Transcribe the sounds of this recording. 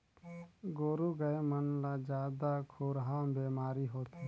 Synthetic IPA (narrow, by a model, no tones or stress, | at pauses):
ɡoːɾuɡəjemənlad͡ʒjaːd̪akʰoːɾɦaːmbeːmaːɾiɦoːt̪ɛ